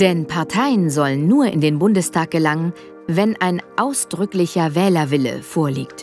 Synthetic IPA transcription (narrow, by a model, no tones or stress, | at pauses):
d̥ɛnpʰaɐtʰaɪənzɔlənːuːɐʔɪ̰ndeːnbʊndəstʰaːk̚ɡ̥əlaŋən | vɛnʔaɪnʔaʊsd̥ʁʏklɪçɐvɛːlɐvɪlə̰foːɐlḭːkt